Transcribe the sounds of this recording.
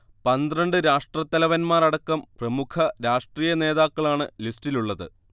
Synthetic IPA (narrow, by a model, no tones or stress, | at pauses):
pɐnd̪irɐɳɖɨɾaːʂʈrɐt̪ːɐlɐʋɐnmaːrɐɽɐkːɐmprɐmukʰɐɾaːʂʈriːjɐne̞ːðaːkːɐɭaːɳɨlistiluɭːɐðɨ̰